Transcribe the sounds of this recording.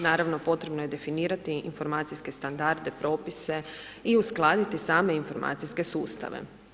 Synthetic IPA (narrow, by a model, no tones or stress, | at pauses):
naːɾaʋno̞po̞t̪ɾe̞bno̞je̞d̪e̞finiːɾat̪iinfo̞ɾmaːt̪sijske̞st̪and̪aɾd̪e̞pɾo̞ːpise̞ | iusklˠaːd̪it̪isaːme̞info̞ɾma̰ːt̪sijske̞suːst̪a̰ʋḛ